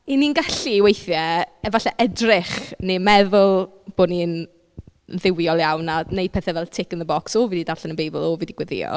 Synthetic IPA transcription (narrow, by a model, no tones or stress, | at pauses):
ininɡaɬiwejθjɛɛvaɬɛʔɛdrɪχnemɛðʊlˠ | b̥oːnin | ðɪwjɔlˠjawnanej̚pʰɛθɛvɛlˠtʰɪkənðəbɔksoːvididarɬɛnənbejbɪ̰lˠoːviːdiɡ̥wɛðɪ̰ɔ̰